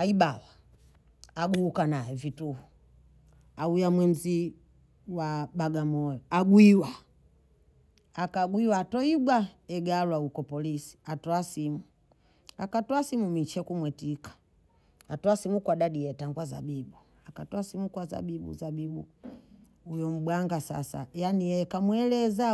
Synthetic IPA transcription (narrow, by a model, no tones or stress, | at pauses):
aiɓawa | aɡuːkanajɛvituhu | aujamwɛm̩zi | waɓaɡamɔjɔaɡwiwa | akaɡwiwatɔiɡwa | ɛɡaɾwaukɔpɔlisi̥atɔasimu | a̰katɔasimumit͡ʃɛkumwɛtikḁ | atɔasimukwaɗaɗijɛtaŋɡwaza̰bibu | akatɔasimukwaza̰bibṵzabibṵ | ujɔm̩ɓwaŋɡasa̰sa̰janikamwɛlɛza